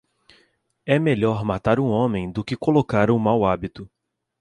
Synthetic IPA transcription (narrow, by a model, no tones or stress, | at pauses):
ɛmeʎɔɾmat̪aɾũõmẽj̃d̪ʊkɪkolokaɾũmawabit̪ʊ